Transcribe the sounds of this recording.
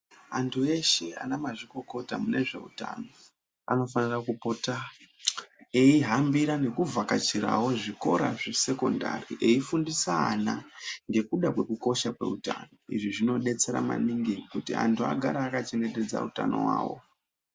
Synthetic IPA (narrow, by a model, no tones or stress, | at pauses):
antʰue̞ʃea̰namaʐiko̞ko̞tamune̞ʐe̞̰uta̰no̞ | a̰no̞fanirakupo̞ta | eiɦambiɾane̞kuvakat͡ʃiɾa̰wo̞ʐiko̞ɾaʐese̞ko̞nda̰riʔe̞ifundisaːnaŋɡe̞kuɗakwe̞kuko̞ʃakwe̞̰uta̰ːno̞iʐiʐino̞ɗe̞t͡se̞ɾa̰ma̰niŋɡiŋkutia̰ntʰua̰ɡʱaɾaːkat͡ʃe̞ne̞te̞d͡za̰uta̰no̞̰wa̰ːwo̞̰